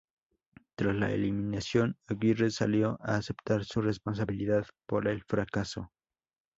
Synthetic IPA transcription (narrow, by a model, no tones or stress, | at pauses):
t̪ɾasla̰ḛliminasjo̞naβiresaljo̞ʔaːse̞pt̪aɾsure̞spo̞ns̬aβiliðaðpoɾe̞lfɾakaso̞̰